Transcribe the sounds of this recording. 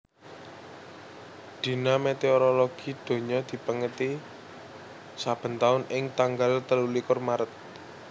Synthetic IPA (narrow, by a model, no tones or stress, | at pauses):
d̪̥i̤namet̪eoɾoloɡ̥i̤d̪̥o̤ɲɔd̪̥i̤pəŋət̪i | sab̥ə̤nt̪aʊnɪŋt̪aŋɡalt̪əlulikʊrmaɾət̪̚